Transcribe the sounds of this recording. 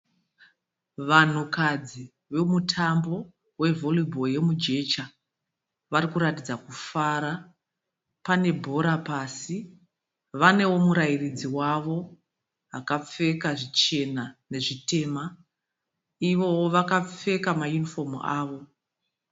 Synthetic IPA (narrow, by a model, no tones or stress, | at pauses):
ʋan̤ukad͡zi | ʋe̞mutʰambo̞ | we̞vo̞libʱo̞je̞mud͡ʒe̞t͡ʃa | ʋaɾikuɾatid͡zakufaɾa | pane̞bʱo̞ɾapasi | ʋane̞wo̞muɾajirid͡ziwaʋo̞ | akap͡fe̞kaʐit͡ʃe̞nane̞ʐite̞ːma | iʋo̞woʋakap͡fe̞kamajunifo̞mṵaːʋo̞